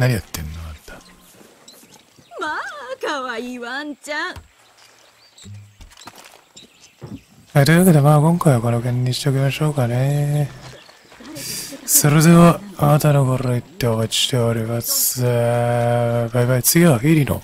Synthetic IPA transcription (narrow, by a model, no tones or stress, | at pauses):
naɲʲijot̪ːenːonat̪ːḁ | makawaiβant͡ɕa | et̪o̞jiβaked̪e̞maːkõ̞ŋkaiβako̞nokẽ̞ɲːiɕi̥t̪e̞okʲimaɕo̞ːkane̞ | soɾezoanat̪anokoɾoit̪ːe̞oβat͡ɕi̥ɕt̪e̞oɾʲimasɨ | baibait͡sɨɡʲiβaɸiɾʲino̰